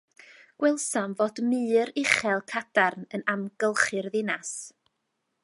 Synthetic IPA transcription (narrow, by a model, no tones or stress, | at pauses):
ɡ̥wɛlˠsamvoːdmɨːɾɪχɛlˠkʰad̥arnənamɡəlˠχɨrðɪnas